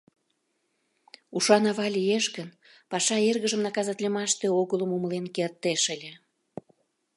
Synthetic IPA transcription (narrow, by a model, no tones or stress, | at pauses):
uʃɑnɑβɑlʲijeʃɣən | pɑʃɑerɣəʒəmnɑkɑzɑt̪lʲemɑʃt̪eoɣələmuməlenkert̪ːeʃəlʲe